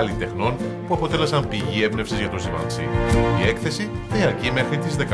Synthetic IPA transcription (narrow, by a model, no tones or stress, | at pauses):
ɐlit̪e̞xno̞n | puɐpo̞t̪e̞le̞sɐmpiʝie̞vne̞fsizʝɐt̪o̞zivɐ̰nsḭie̞kθe̞siðiɐɾcime̞xɾit̪izðe̞k